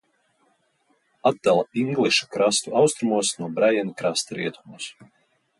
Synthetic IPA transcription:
ad̪̚d̪alˠaiŋɡlˠiʃu̥kɾast̪uawst̪ɾumuɔsnuɔbɾajɛnukɾast̪ɾiɛt̪umus

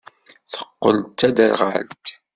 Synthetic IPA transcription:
θə̥qːə̰lt̪æd̪əɾʁalt̪

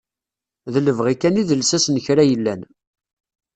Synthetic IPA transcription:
ðələvʁikæniðəlsæsnəçɾæjəlːæn

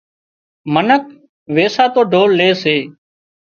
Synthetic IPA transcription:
mənək̚ | ʋeːsaːt̪oːɖʱoːlːeːseː

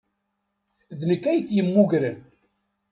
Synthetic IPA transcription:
ðnəkːæjθjəmːuʝɾən

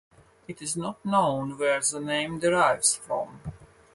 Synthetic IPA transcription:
ɨtɪznɔtnõʊ̃nwɛɹðənẽɪ̃mdəɹaɪvz̥fɹɔ̰̃m

